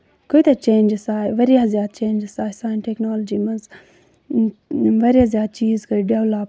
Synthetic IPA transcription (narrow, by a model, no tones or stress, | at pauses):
kojt̪ɐt͡ʃẽːnd͡ʒsaːjʋɐɾijazjaːd̪̚t͡ʃẽːnd͡ʒsaːisaːjnʈeknoːləd͡ʒiːmɐz | ʋɐɾijazʲjaːd̪̚t͡ʃiːzkɐɖeʋlaːp